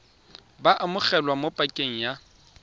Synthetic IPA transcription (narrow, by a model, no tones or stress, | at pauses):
baʔamʊk͡xɛlwamopʼakʼeŋ̩ja